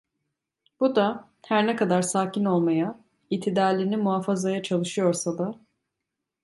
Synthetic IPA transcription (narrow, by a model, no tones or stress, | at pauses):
b̥ud̪a | hæɾnɛkʰad̪aɾsaːcino̞lˠmaja | it̪ʰid̪aːlʲinimuɦaːfazajat͡ʃʰalˠɯʃɯjo̞ɾsad̪a